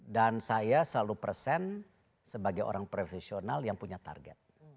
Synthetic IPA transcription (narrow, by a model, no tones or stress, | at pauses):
dansajasəlalupərsɛn | səbaɡajo̰ɾaŋpɾofesionaljaŋpuɲat̪a̰rɡɛ̰t̪̚